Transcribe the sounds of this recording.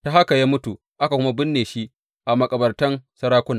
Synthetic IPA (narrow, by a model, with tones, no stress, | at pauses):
ta˨ɦa˦ka˨jaː˦mʊ˦tu˨ | ʔa˦ka˨kʷʊ˦ma˦bɪ˦nːeː˨ʃi˦ʔ | ʔa˨mɐ˨kʼɐ˨bɐ˨rtɐ˦nsɐ˦ɾaː˦kʷʊ˦naː˨